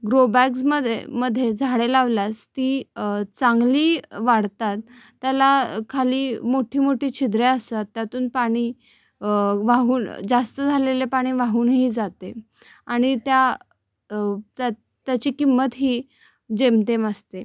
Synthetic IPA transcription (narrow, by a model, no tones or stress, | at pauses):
ɡɾobæksməd̪ʱjḛməd̪ʱːjed͡zʱaɽelaʋlast̪iːt͡saŋɡliːʋaɽt̪at̪ː | jalakʰaliːmoʈʰiːmoʈʰiːt͡ɕʰid̪ɾeəst̪at̪ːjat̪uːnpaɽ̃iː | ʋaɦuːnd͡zast̪əd͡zʱalelepaɽ̃iːʋaɦuːnɦiːd͡zat̪e | aɽ̃it̪ja | t̪a | t̪ːjat͡ɕiːkimːət̪ɦiː | d͡ʑemt̪eməst̪e